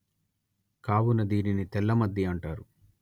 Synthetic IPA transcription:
kaːwunɐd̪iːninit̪ɛlːɐmɐd̪ʱjɐɐɳʈaːɾu

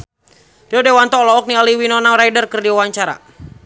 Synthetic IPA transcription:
riɔdɛwant̪ɔlɔɔk̚nialiwinɔnaɾajdərkərdiawaɲt͡ʃaɾa̰

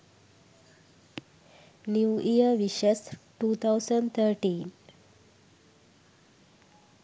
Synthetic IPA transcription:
njuːijəɾʋiɕesʈuːt̪ʰawsəɳɖt̪ʰəɾʈiːn

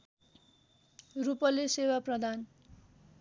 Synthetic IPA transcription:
rupʌlesewaprʌd̪ʱan

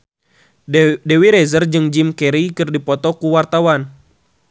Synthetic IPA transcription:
dɛwiɾɛzərd͡ʒɨŋd͡ʒimkɛɾikɨrdipɔt̪ɔkuwart̪awan

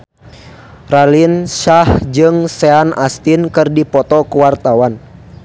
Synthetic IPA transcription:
ralinʃahd͡ʒɨŋsɛanast̪inkɨrdipɔt̪ɔkuwart̪awan

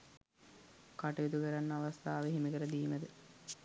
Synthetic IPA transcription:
kaʈɐʋid̪ukəɾanːəaʋast̪aːʋeɦimikəɾəd̪iːməd̪ə

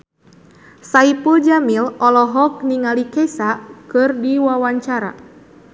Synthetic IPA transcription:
saipuld͡ʒamilɔlɔɦɔk̚niŋalikɛsakɨrdiwawaɲt͡ʃaɾa̰

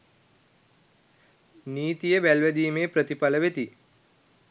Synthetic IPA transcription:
niːt̪ijəbælʋed̪iːmeːpɾət̪ipɐləʋet̪i

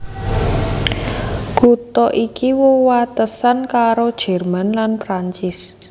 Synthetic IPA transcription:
kut̪ɔʔikiwowat̪əsankaɾod̥ʒ̥ɛ̤rmanlanpɾaɲt͡ʃɪs

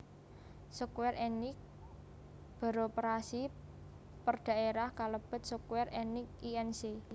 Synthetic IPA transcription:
sɔkwɛrenɪk̚ | b̥a̤ɾopɾasi | pərd̪̥a̤eɾahkaləb̥ə̤t̪̚sukwɛrʔenɪk̚iɛnse

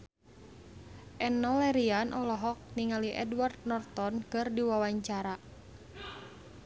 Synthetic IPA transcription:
ʔɛnɔlɛɾianʔɔlɔɦɔk̚niŋaliʔɛ̰dward̪̚nɔrt̪ɔnkɨrdiwawaɲt͡ʃaɾa

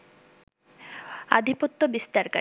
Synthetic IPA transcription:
a̰d̪ʱipot̪ːobist̪aɾka

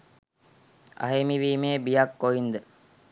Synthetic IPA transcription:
a̰ɦemiʋiːmeːbijakːoind̪ə

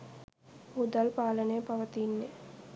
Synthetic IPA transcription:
ud̪alpaːlənejpaʋət̪inːe

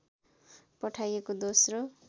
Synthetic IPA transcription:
pʌʈʰajekod̪osro

